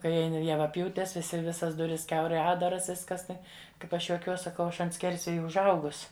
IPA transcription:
ˈkɐɪ jɛʋɐˈpʲjuːtʲɛs ʋʲɪˈsʲɪ ˈʋʲɪsɐs ˈdʊrʲɪs ˈkʲɛʊrɐɪ ˈɑːddɐrɐs ˈʋʲɪskɐs ˈtɐɪ ˈkɐɪp ˈɐʃ juɔˈkʲuɔs sɐˈkɐʊ ˈɐʃ ɐnt ˈsʲkʲɛrʲsʲʋʲeːjɛ ʊʒˈɐʊɡʊs

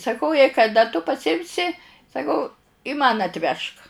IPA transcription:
sɐˈkɐʊ jɛɪ kɐˈdɐ tʊ pɐsʲɪˈɪmʲsʲɪ sɐˈkɐʊ mɐn ɐtʲˈʋʲɛʃk

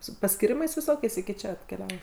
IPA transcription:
sʊ pɐsʲkʲiːˈrʲɪmɐɪs ʋʲɪˈsoːkʲɛɪs ɪkʲɪ ˈt͡ʃʲɛ ɐtʲkʲɛˈlʲæːʋoː

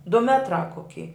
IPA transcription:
dʊ ˈmʲæːtrɑː koːˈkʲɪ

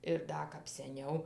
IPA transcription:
ɪr ˈdɐ kɐp sʲɛˈnʲɛʊ

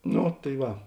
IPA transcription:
ˈnoː tɐɪ ˈʋɐ

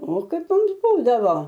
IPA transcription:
oː ˈkɐɪp ˈmʊms ˈbuːdɐʋoː

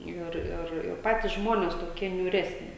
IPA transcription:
ˈɪr ɪr ɪr ˈpɑːtʲiːs ˈʒmoːnʲɛs toːˈkʲiɛ nʲuːˈrʲæːsʲnʲɪ

